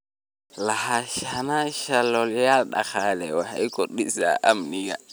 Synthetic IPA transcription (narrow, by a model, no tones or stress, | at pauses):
lahaʃanaʃalɔljalɗa̰xalɛwaha̰ikɔɗisa̰ʔamniɡa̰